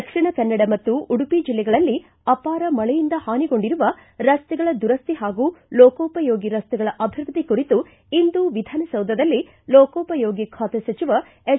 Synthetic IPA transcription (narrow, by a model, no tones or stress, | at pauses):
ɐkʂiɳɐkɐnːɐɽɐmɐt̪ːuʔuɽupid͡ʒilːɛɡɐɭɐlːi | ɐpaːɾɐmɐɭɛjind̪ɐhaːniɡo̞ɳɖiɾuʋɐɾɐst̪ɛɡɐɭɐd̪uɾɐst̪iɦaːɡuːlɔːkoːpɐjoːɡiɾɐst̪ɛɡɐɭɐʔɐbʱiɾʋɐt̪ikuɾit̪u | ind̪uʋid̪ʱaːnɐsɐwd̪ʱɐd̪ɐlːi | lɔːkɔːpɐjoːɡikʰaːt̪ɛsɐt͡ʃiʋɐ | e